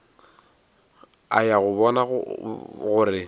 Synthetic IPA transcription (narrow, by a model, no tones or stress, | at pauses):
a̰jaɣʊβɔna | ɣʊrɪ